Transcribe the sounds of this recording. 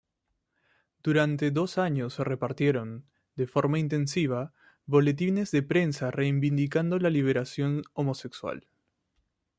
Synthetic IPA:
d̪̥uɾant̪e̞ðo̞saɲosːe̞re̞paɾt̪je̞ɾo̞n | d̪e̞fo̞ɾmaint̪ẽ̞nsiβ̞a | βo̞le̞t̪̬ine̞zðe̞pɾe̞nsare̞imbind̪ikand̪olaliβ̞e̞ɾasjo̞nomo̞se̞kswa̰l

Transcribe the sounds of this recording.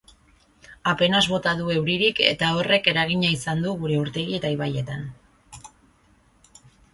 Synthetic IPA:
ape̞nazβo̞t̪aðue̞wɾiɾike̞̰t̪ao̞re̞ke̞ɾaɣ̞iɲaisand̪uɣuɾe̞uɾt̪e̞ɣie̞t̪aiβaje̞t̪an

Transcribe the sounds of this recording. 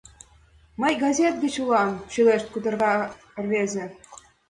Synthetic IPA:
mə̆jɡɑzʲet̪̚ɡɘ̆t͡ɕulɑnt͡ɕyleʃt̪̚kud̪ɤ̆rɣɑ | ə̆rβezʲĕ

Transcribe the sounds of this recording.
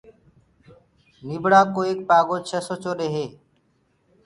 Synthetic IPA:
niːbɽaːkoːeːk̚paːɡoːt͡ʃʰesoːt͡ʃoːɗeːɦeː

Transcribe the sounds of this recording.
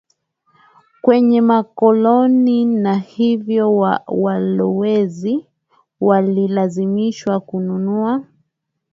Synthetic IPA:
kwɛɲɛmakɔlɔninahivjɔwalɔwɛzi | walilazimiʃwakununua

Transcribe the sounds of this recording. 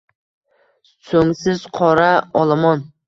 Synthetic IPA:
soŋsɪz̥qʰɒɾaɒlˠamɒn

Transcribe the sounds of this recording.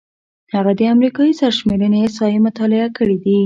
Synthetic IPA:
haɣad̪əamɾikɑjisaɾʃmeɾənesɑjemʊt̪ɑlɪakəɽid̪i

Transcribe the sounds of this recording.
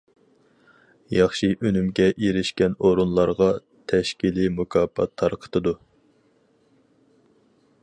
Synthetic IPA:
jɑχʃiʔønymɡʲɛʔiɾɪʃkʲɛnoɾunlˠɑɾʁɑ | t̪ʰɛʃkʲilimukʰɑːpʰɑ̰t̪ʰːɑɾqʰə̥t̪ɨd̪u

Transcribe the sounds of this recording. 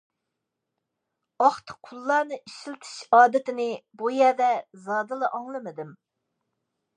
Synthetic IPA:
ɑχt̪ʰɨ̥qʰʊlˠːɑːnɨʔiʃilt̪ʰɨ̥ʃɑːd̪ɪt̪ʰɪnɪbujɛɾd̪ɛzɑːd̪ɨlˠɨʔɑŋlˠɨmɨd̪ɪm

